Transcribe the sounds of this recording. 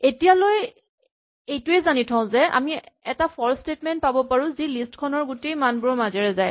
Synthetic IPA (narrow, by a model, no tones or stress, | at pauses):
etijaloj | ejtʊɛzanitʰɔ̃ʊ̃zɛa̰miɛtapʰɔɹstetmɛnt̚pabɔpaɹũzilistkʰɔnɔɹɡutejmanbumazɛɹɛzaj